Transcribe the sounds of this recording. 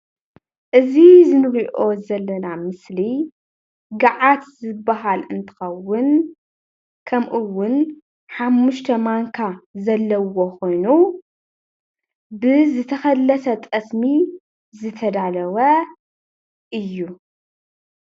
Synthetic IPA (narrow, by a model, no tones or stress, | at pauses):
ʔɨzizɨnɨɾiʔo̞zɐlːɐnamɨsli | ɡaʕat̪zɨbːaɦalɨnt̪ʰɨ̥xɐwːʊn | kʰɐmʔuwːʊn | ħamːuʃt̪ʰɐmaŋkʰazɐlːɐwo̞ko̞jnu | bɨzɨt̪ʰɐxɐlːɐsɐt̪ʼɐsmi | zɨt̪ʰɐd̪alɐwɐ | ʔɨjːu